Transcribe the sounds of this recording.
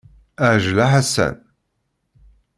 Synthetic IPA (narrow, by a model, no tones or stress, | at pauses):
aʒlaħasæ̰n